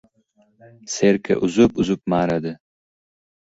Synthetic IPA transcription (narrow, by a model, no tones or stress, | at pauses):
seɾkʰʲa̰ʔʊzʊpʊzʊp̚maːɾad̪ɪ